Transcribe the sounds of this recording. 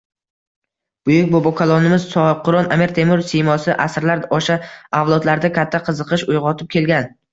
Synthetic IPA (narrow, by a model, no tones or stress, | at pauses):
b̥ʊjʊk̚ʲbobɒkʰalˠɒnɪmɪzsɒqʰʊɾɒnamiɾt̪ʰe̞mʊɾsejmɒsɪʔasɾlaɾɒʃaawlˠɒd̪laɾd̪akʲʰat̪ʰːaqʰɨzɨqʰɨʃʊjʁɒt̪ʰɪp̚kʲʰe̞lɡʲan